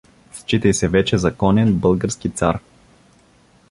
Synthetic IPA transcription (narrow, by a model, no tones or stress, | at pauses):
st͡ʃit̪əjsɛvɛt͡ʃɛzɐkɔnɛnbɤlˠɡəɾskit̪sa̰ɾ